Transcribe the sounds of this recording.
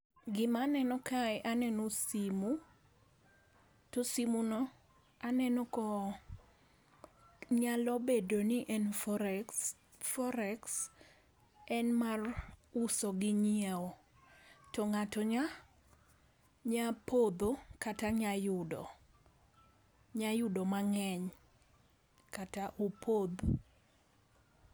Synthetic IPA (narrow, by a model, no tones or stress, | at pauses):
ɡɪmanɛnɔkʰaɛʔanɛnosimu | tosimunɔ | anɛnɔkɔ | ɲalɔbedoniʔɛn | fɔɾɛks | ɛnmarusɔɡɪɲieo | tɔŋatɔɲa | ɲapod̪okataɲajʊdɔ̰ | ɲajʊdɔmaŋɛɲ | kataʔopʰod̪